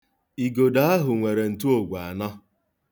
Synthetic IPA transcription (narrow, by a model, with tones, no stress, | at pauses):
i˨ɡo˨da˦a˦ɦʊ˨ŋʷe˨ɾe˨n̩˨tu˦o˦˨ɡʷa˨nɔ˦